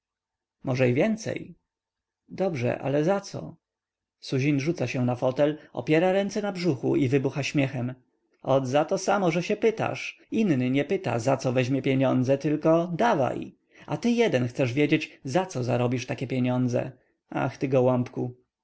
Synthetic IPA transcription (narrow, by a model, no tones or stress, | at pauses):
mɔʐɛivʲjɛnt̪sɛ̰j | d̪ɔbʐɛ̰ʔa̰lɛzat̪sɔ̰ | suʑinʐut̪saɕɛ̃nafɔt̪ɛlɔ̰pʲjɛɾaɾɛnt̪sɛnabʐuxuʔivɘbuxaɕmʲjɛxɛm | ɔd̪zat̪ɔsamɔʐɛɕɛpɘt̪a̰ʂ | innɘɲɛpɘt̪a̰zat̪sɔvɛʑmʲjɛpʲjeɲɔnd̪zɛt̪ɘlkɔd̪ava̰j | a̰t̪ɘjɛd̪ɛnxt̪sɛʐvʲjed͡ʑed͡ʑzat̪sɔzaɾɔbʲiʂt̪akʲɛpʲjeɲɔnd̪zɛ̰ | a̰xt̪ɘɡɔwɔmpku